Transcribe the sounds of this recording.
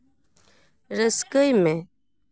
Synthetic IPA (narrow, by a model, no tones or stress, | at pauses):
ɾəskəjmẽ